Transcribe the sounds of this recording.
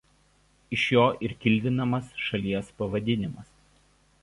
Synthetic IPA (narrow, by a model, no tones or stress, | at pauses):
ɪʃjoːʔɪɾkʲɪlʲˑd̪ʲɪnɐmɐsʃɐlʲiɛspɐʋɐd̪ʲɪnʲɪmɐs